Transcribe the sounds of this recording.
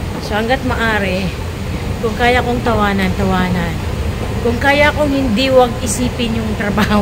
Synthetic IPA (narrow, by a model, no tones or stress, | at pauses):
sɐhɐŋɡat̪̚mɐʔaːɾɛ | kʊŋkaːjakoŋt̪ɐwaːnɐnt̪ɐwaːnɐn | kʊŋkaːjaɐkoŋhɪnd̪iwɐɡ̚ɪsiːpɪnjʊŋt̪ɾɐbaːh